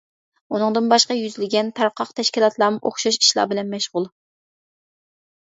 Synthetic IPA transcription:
unɨŋd̪ɨnbɑʃqɑjyzlɪɡʲɛnt̪ʰɑɾqʰɑqt̪ʰɛʃkʲilˠɑt̪ʰlˠɑːmɨʔo̰χʃɑʃi̥ʃlˠɑ̰bɪlɛnmɛʃʁʊlˠ

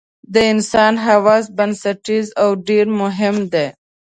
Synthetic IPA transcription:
d̪əɪnsɑːnɦawaːzbɐnsɐʈizawɖeɾmʊɦɪmd̪eː

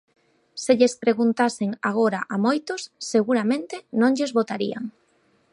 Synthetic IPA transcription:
seʎespɾeɣunt̪asɪŋaɣ̞oɾaʔamojt̪osːeɣuɾamẽnt̪ɪnõŋʎezβot̪aɾia̰ŋ

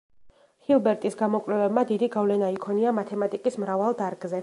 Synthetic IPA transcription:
hilˠbɛɾt̪ʼisɡamɔkʼɾɛvɛbmad̪id̪iɡavlɛnaikʰɔniamat̪ʰɛmat̪ʼikʼismɾavalˠd̪aɾɡzɛ

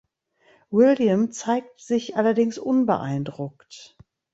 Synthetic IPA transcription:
wɪljəmt͡saɪk̚tz̥ɪçʔalɐdɪŋsʔʊnbə̰ʔa̰ɪndʁʊkt

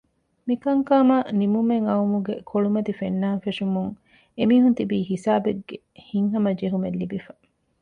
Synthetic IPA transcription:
mikɐŋkaːmanimumeŋɐumuɡekʰoɭumɐt̪ifenːaːnfeʂumuŋ | emiːɦunt̪ibiːɦisaːbeɡːe | hiŋɦɐmɐd͡ʒeɦumelːibifɐ

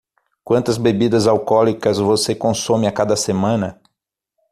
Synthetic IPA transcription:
kwɐ̃nt̪ɐzbebid̪ɐzawkɔlikɐzvosekõsõmɪakad̪ɐsemɐ̃nɐ

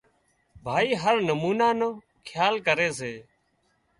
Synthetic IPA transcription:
bʱaːiːɦəɾnəmuːnaːnõː | kʰjaːlkəɾeːs̬eː

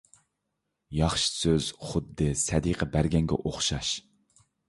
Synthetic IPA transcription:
jɑχʃi̥søz̥χʊd̪ːɨsɛd̪iqʰəbæɾɡʲɛŋɡʲɛ̰ʔoχʃɑʃ

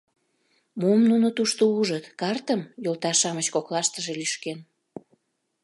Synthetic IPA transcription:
momnunot̪uʃt̪ouʒət̪kɑrt̪əmjolt̪ɑʃɑmət͡ɕkoklɑʃt̪əʒelyʃken

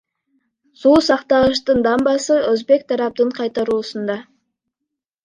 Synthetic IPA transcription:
susɑqt̪ɑʁəʃ̬t̪ənd̪ɑmbɑsəɵzbe̞k̚t̪ʰɑɾɑp̚t̪əɴqʰɑjt̪ɑɾuːsənd̪ɑ

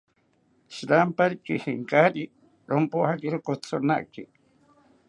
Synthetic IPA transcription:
ʃɾampaɾikihiŋkaɾi | ɾompohakiɾokot͡sʰona̰ʔkḭ

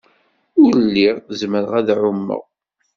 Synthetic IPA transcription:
ʊɾlːiʁzməɾʁæðʕʊmːə̰ʁ

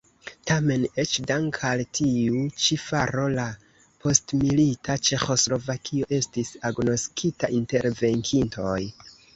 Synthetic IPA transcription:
tame̞ne̞t͡ʃdaŋkʰaltʰiut͡ʃifaɾo̞la | pʰo̞stmilitat͡ʃe̞xo̞slo̞vakʰio̞ʔe̞stisaɡno̞skʰitaʔinte̞ɾve̞ŋkʰinto̞j

